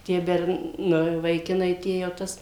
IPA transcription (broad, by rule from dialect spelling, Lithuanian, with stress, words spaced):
tʲiɛ ˈbʲɛrn nʊ ʋɐɪˈkʲɪnɐɪ ˈtʲiɛ jɛʊ ˈtɐs